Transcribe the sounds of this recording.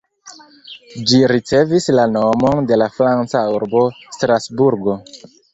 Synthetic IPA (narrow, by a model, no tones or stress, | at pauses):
d͡ʒiɾit͡se̞vislano̞mo̞nde̞lafɾant͡sauɾbo̞stɾasbuɾɡo̞